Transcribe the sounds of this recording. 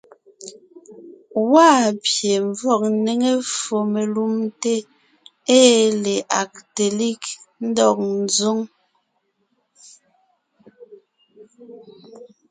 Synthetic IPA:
waː˦pje˨ɱ˨vɔ˦˨k̚ne˨ŋe˦fo˨me˨lu˦mte˦ | eː˦le˨ʔa˨k̚te˨li˦kn̩˦dɔ˨k̚n̩˨zu˦ŋ

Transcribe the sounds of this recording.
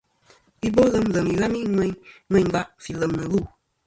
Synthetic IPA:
i˦bo˦lə˦mlə˨mi˨ɣa˦mi˦ŋɛ˦ɲŋɛ̃˦ɲ˦ba˦ʔfi˨lə˨mnə˨lu˦˨

